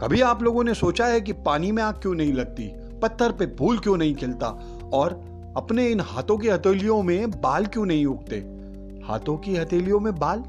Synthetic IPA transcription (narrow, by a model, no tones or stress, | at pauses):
kɐbʱiaːploːɡõnesoːt͡ʃaɦɛkipaːnimẽaːkkjõːnɐɦĩlɐɡ̚t̪ḭ | pɐt̪ʰːəɾpebʱuːlkjõːnɐɦĩkʰɪlt̪a̰ | ɔːɾ | ɐpneɪnha̰ːt̪õk̬iɦɐt̪eːlijõmẽbaːlkjõːnɐɦĩʊk̚t̪ḛː | ha̰ːt̪õkiɦɐt̪eːlijõmẽbaːl